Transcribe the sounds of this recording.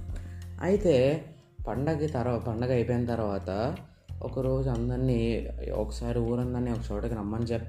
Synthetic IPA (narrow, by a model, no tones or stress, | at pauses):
ɐ̰jit̪e̞ː | pɐɳɖɐkit̪ɐɾpɐɳɖɐɡɐjpoːjinɐt̪ɐɾʋaːt̪ɐ | ɔ̰kɐɾo̞ːd͡ʒuɐnd̪ɐɾnːiːɔ̰kɐ̥saːɾiuːɾɐnd̪ɐɾniːɔkɐt͡ʃɔːʈɐkinɐmːɐnt͡ʃeːpː